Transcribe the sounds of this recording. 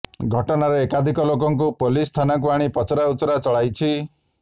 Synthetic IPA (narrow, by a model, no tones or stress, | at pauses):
ɡʱɔʈɔnaɾeekad̪ʱikɔlokɔŋk̬upolist̪ʰanak̬uaɽ̃ipɔt͡ʃʰɔɾausɔɾat͡ʃɔɭajt͡ʃʰi